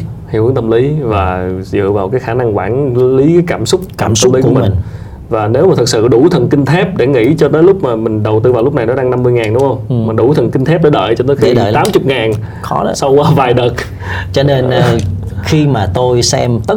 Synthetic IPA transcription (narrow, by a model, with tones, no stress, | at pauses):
hi˧˩˨ʔə˨˦nt̪ə˧mli˨˦vaː˨˩zɨ̰˧˨vaː˨˩wkaː˨˦jxaː˧˩na˧ŋkwaː˧˩nli˨˦kaː˨˦jkaː˧˩msʊ˦˥k͡p̚kaː˧˩ms̚li˨˦ku˧˩˦mï˨˩˨ŋ | vaː˨˩ne˨˦wmaː˨˩t̪ʰɨ˨˩k̚sɨ̰˧˨ɗu˧˩t̪ʰə˨˩nkï˧ŋ̟t̪ʰɛ˦˥p̚ɗe˧˩ŋḭ˧˥t͡ɕɔ˧t̪əː˨˦jlʊ˦˥k͡p̚maː˨˩mï˨˩ŋ̟ɗə˨˩wt̪ɨ˧vaː˨˩wlk͡p̚na˨˩jnɔ˨˦ɗaː˧ŋna˧mːɨ˧əjŋaː˨˩nɗʊ˧˦ŋ͡mhə˧wŋ͡mma˨˩ɗu˧˩t̪ʰə˨˩nki˧ŋ̟t̪ʰɛ˦˥p̚ɗa̰˧˦ɗə̰ː˧˨jt͡ɕɔ˧t̪əː˨˦jxi˧˨t̪aː˨˦mt͡ɕʊ˨˩k͡p̚ŋaː˨˩n | xɔ˨˦˧sa˧wːvaː˨˩jɗə˨˩t̚ | t͡ɕɔ˧ne˧nʔxi˧maː˨˩t̪o˧jsɛ̰˧mt̪ə˦˥